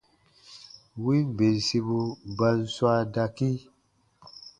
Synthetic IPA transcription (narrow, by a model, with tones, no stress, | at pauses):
wi˦m˨be˨ɾsi˧bu˦ba˦nswa˦da˨ki˦